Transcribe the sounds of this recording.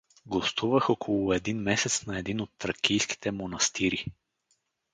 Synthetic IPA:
ɡost̪uvəxokʰolˠʊɛd̪inmɛsɛt̪snɐɛd̪inot̪ːɾɐkʲijski̥t̪ɛmonɐst̪iɾi

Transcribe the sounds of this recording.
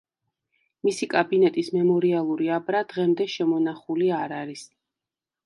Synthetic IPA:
misikʼabinɛt̪ʼismɛmɔɾialˠuɾiabɾad̪̥ʁɛmd̪ɛʃɛmɔnaχuliaɾaɾis

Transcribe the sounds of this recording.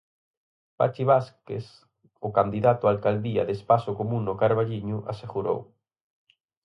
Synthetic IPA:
pa̰t͡ʃiβaskḛs | ʊkand̪iðat̪ʊalkald̪ia̰ðespasʊkomũŋnʊkaɾβaʎiɲʊʔa̰seɣuɾo̰w

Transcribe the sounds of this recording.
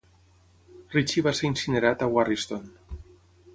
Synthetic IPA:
rit͡ʃiβaseinsineɾat̪awarist̪on

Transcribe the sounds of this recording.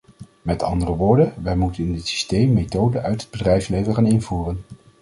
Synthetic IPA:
mɛtɑ̰ndərəʋʊːɹdəʋɛjmutənɪndɪtsi̥stejmːetowdəʔœɥtɦəd̚bədrɛjfslejvənχaːnɪnvuːrən

